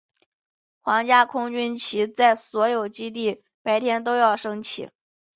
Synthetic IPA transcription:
xwɑ˧˥ŋt͡ɕja˥kʰʊ˥ŋt͡ɕy˥nt͡ɕʰi˧˥t͡sa˥˩ɪswɔ˧˥jo˨˩ʊt͡ɕi˥t̪̬i˥˩ | pa˧˥ɪt̪ʰjɛ˥nt̪o˥ʊjɑ˥˩ʊʂɤ˥ŋt͡ɕʰḭ˨˩˦

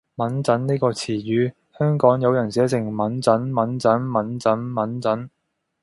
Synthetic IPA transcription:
mɐ˨˥nt͡sɐ˨˥nniː˥kɔː˧t͡sʰiː˨˩jyː˨˧ | hœː˥ŋkɔː˨˥ŋjɐ˨˧wjɐ˨˩nsɛː˨˥t͡sɪ˨˩ŋmɐ˨˥nt͡sɐ˨˥nmɐ˨˥nt͡sɐ˨˥nmɐ˨˥nt͡sɐ˨˥nmɐ˨˥nt͡sɐ˨˥n

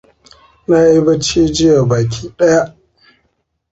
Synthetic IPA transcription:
naː˦i˦bɐ˦t͡ʃiː˦d͡ʒɪ˦jaː˨baː˨k̬ʲiː˦ɗɐ˦ja˦ʔ

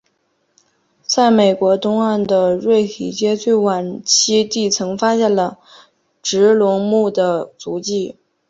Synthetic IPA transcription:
t͡sa˥˩ɪme˨˩ɪkwɔ˧˥t̪ʊ˥ŋa˥˩nd̪ə˩ɻwe˥˩ɪt̪ʰḭ˨˩t͡ɕjɛ˥t͡swe˥˩ɪwa˨˩nt͡ɕʰi˥t̪i˥˩t͡sʰɤ˧˥ŋfa˥ɕjɛ˥˩nlə˩ | ʈ͡ʂɻ̩˧˥lʊ˧˥ŋmu˥˩d̪ə˩t͡su˧˥t͡ɕi˥˩

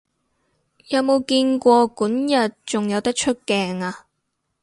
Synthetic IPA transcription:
jɐ˨˧wmo˨˧wkiː˧nkʷɔː˧kuː˨˥njɐ˨t̚t͡ʃʊ˨ŋjɐ˨˧wt̪ɐ˥k̚t͡ʃʰɵ˥t̚kɛː˧ŋaː˧

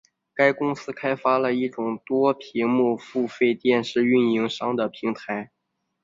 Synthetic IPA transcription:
ka˥ɪkʊ˥ŋsɹ̩˥kʰa˥ɪfa˥lə˨i˥˩ʈ͡ʂʊ˨˩ŋt̪wɔ˥pʰi˧˥mu˥˧fu˥˧fe˥˧ɪt̪jɛ˥˧nʂɻ̩˥˧y˥˩ni˧˥ŋʂɑ˥ŋd̪ə˨pʰi˧˥ŋt̪ʰa˧˥ɪ

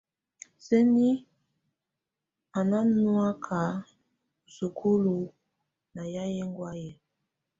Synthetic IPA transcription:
se˦ni˦ | a˨na˦nwa˦kʰa˨ | su˨kʰu˦lu˨ | na˨ja˦je˦ŋɡwa˦je˦

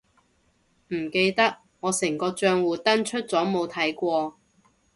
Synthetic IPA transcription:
m̩˨˩ke˧jt̪ɐ˥k̚ | ŋɔː˨˧sɪ˨˩ŋkɔː˧t͡ʃœː˧ŋwuː˨˩t̪ɐ˥nt͡ʃʰɵ˥t̚t͡sɔː˨˥mo˨˧wt̪ʰɐ˨˥jkʷɔː˧

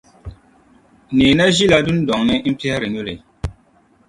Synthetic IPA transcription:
neː˨na˦ʒi˦la˦du˦n˦dɔ˨ŋnɪ˦m̩˦pɛ˦hɛ˦ɾɨ˨ɲo˦lḛ˨

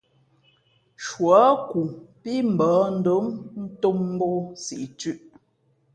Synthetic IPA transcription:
ʃwɔ˨˦ku˨pi˦m̩˨bɔ˨˦n̩˦do˨˦mn̩˦to˦m̩˦bo˦sḭ˨ʔt͡ʃʉ˦ʔ

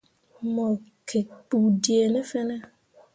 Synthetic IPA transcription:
mɔ̃˨kʰe˨k͡pu˨ɖi˨e˨nɛ̃˦fɛ˦nɛ̃˦

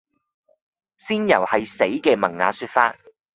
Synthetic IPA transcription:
siː˥njɐ˨˩whɐ˨jse˨˥jkɛː˧mɐ˨˩ŋːa̰ː˨˧syː˧t̚faː˧t̚

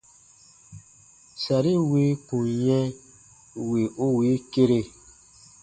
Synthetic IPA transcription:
sa˨ɾi˦wi˦kũ˨jɛ̃˦ | we˨ʔo˦wi˨˦ke˦ɾe˧˨

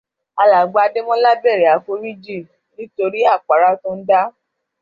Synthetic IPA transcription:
a˧la˨ɡ͡ba˨˧˨de˦mɔ̃˦la˦bɛ˦˨ɾɛ˨a˨fo˦ɾi˦d͡ʒi˦˨ | nĩ˦to˧ɾi˦a˦˨k͡pa˨ɾa˧tũ˦n̩˦da˦

